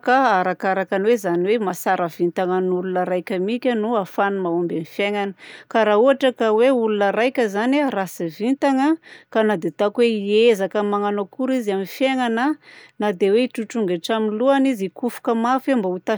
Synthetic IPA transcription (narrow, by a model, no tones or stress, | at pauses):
kaaɾakaɾakaniwezaniwemasaɾəv̥int̪aŋanulunəɾajkʲəmikʲənuafanumaombamifjeŋanəkaɾauɦaʈ͡ʂəkaweulunəɾajkʲəzanarasivint̪aŋəkanad̪et̪akweiezakəmaŋanakuɾiziamifjeŋanənad̪eweiʈ͡ʂuʈ͡ʂuŋɡeaʈ͡ʂaminluanizikufu̥kəmafambaut̪a